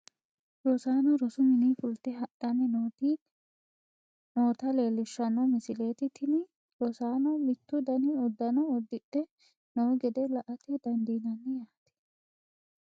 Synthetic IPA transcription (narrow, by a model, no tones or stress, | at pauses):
ɾosaːnɔɾɔsʊmɪniːfʊlt̪ɛɦɐʔɐnɛnoːt̪i | noːt̪ɐleːlːɪʃːɐnɔmɪsɪle̞ːt̪ɪt̪ʰɪnɪ | ɾɔsaːnɔmɪt̪ːʊd̪ɐnɪɔd̪ːɐnɔɔd̪ːɪᶑɛ | nɔwɡɛd̪ɛlɐʔɐt̪ɛd̪ɐnd̪iːnɐnːɛjaːt̪ɪ̥